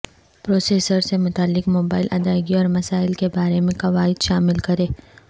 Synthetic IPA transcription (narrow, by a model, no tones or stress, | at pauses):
pɾoːseːsəɾsemʊt̪aːlːɪkmoːbaːɪlʔɐd̪aːɪɡiɔːɾmɐsaːɪlkebaːɾemẽkɐʋaːɪd̪ʃaːmɪlkɐɾeː